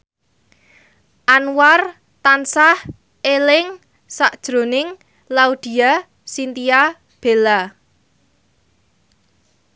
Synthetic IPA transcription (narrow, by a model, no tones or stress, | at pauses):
ʔanwar | t̪ansah | elɪŋ | saʔd̥ʒ̥ɾo̤nɪŋ | laud̪̥i̤a | sint̪ia | b̥e̤la